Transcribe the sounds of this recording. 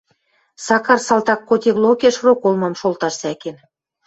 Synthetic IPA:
sɑkɑrsɑlt̪ɑkːot̪ʲeβlˠokeʃrokolmɤmʃolˠt̪ɑʃsæken

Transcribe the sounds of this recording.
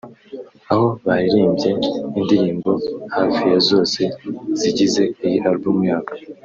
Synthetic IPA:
aho̞βahiɾiːmbje̞indiɾiːmbo̞haːfijezo̞ːse̞z̥iɟize̞ijiʔaɾbuːmɲaːkḁ

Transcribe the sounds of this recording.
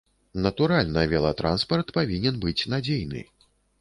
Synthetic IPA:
nɐt̪uɾalʲnɐvʲɛlˠɐt̪ɾa̰nspɐrt̪pavʲinʲɛnbɨt͡sʲnad͡zʲejnɨ̰

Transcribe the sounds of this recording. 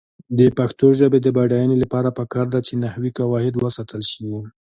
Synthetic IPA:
d̪əpaxt̪oʒəbed̪əbaɖajənelapɑɾapəkɑɾd̪at͡ʃenahwikawɑhɪd̪wəsɑt̪əlʃiwu

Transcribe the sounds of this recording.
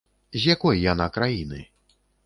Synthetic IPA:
zʲjakɔjːanakɾajinɨ̰

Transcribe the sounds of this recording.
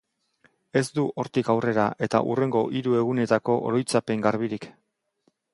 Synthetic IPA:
e̞zd̪uʔo̞ɾt̪ikawre̞ɾaʔe̞t̪a̰ʔṵre̞ŋɡo̞ʔiɾue̞ɣ̞une̞t̪ako̞ʔo̰ɾo̞jt͡sape̞ŋɡaɾβiɾik

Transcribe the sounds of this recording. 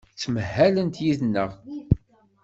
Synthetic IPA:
t͡sːməhːælənt̪jiðnːəʁ

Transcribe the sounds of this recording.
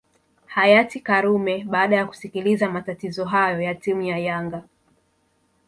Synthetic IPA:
hajatikaɾumɛɓaːɗajaku̥sikilizamatatizɔɦajɔjatimujajaŋɡa

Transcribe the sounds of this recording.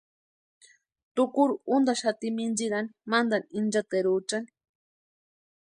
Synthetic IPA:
t̪ukuɾuund̪aʃat̪imind͡ʒiɾanimand̪anind͡ʒat̪eɾut͡ʃani̥

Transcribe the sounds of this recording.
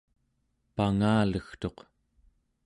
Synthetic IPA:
paŋaːləxt̪o̞q

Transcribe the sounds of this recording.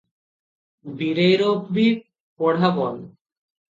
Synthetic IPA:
biɾejɾobbi | poɽ̤abɔn

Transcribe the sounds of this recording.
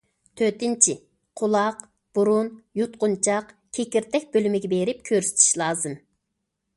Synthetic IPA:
t̪ʰøt̪ɪnt͡ʃʰi | qʰʊlˠɑq | b̥uɾunjut̪qʊnt͡ʃʰɑqkʲʰekʲiɾt̪ʰɛk̚ʲbølymɪɡʲɛbeɾɪp̚kʲʰøɾsɪ̥t̪ʰi̥ʃlˠɑːzɨm

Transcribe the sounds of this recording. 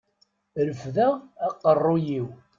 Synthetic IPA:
ɾəfðæːqːərˤːʊjiw

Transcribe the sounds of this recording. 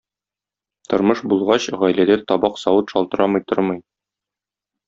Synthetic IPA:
t̪ŏɾmɤʃbulˠʁɑɕʁɒjlæd̪æt̪ɒbɑqsɒwɤt̪ʃɒlˠt̪ɤ̆ɾʔɑmɤ̆jt̪oɾmɤj

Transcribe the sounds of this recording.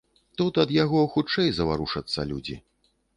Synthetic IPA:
t̪ut̪ɐd̪jaɣɔxut͡ʂɛjzɐvaɾuʂɐt̪sːɐ̰lʲud͡zʲḭ

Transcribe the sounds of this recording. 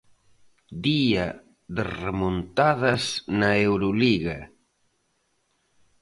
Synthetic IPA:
d̪iɐ | ðɪremont̪aðɐsnɐewɾoliɣɐ

